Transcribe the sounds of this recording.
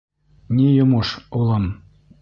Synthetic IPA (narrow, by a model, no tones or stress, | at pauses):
nʲejŏmoʃulˠɑm